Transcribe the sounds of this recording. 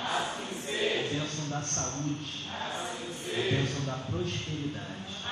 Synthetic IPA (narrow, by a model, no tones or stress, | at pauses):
pẽsɐ̃w̃d̪ɐsaud͡ʒi | pẽsɐ̃w̃d̪ɐpɾoʃpeɾid̪ad͡ʒi